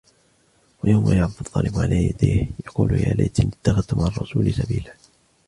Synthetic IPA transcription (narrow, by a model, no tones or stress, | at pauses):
wajawmajaʕbd̪ʊt̪ˤːɑːlɪbʕalaːjad̪iːhjɑquːljaːlajt̪ɪnɪt̪ːaxad̪t̪ʊmʔaʕɑrˤːɑsuːlɪsabiːlaː